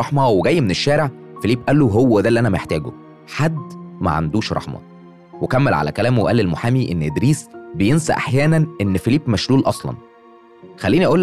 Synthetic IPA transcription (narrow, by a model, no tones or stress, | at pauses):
ɑħmɑweɡæjːmeneʃːæːɾeʕ | feliːbʔælːoɦowːæd̪ælːiʔænæmæeħt̪æːɡṵ | ħad̪ːmæ̰ʕa̰md̪uːʃɾˤɑ̰ħmɑ̰ | wekæmːelʕa̰læ̰kælæːmweʔælːelmoħaːmiʔenːʔed̪ɾiːsbejensæ̰ʔa̰ħjæːnænʔenːfeliːpːmæʃluːlʔɑsˤlɑ̰n | xælːiːniʔæʔuːlː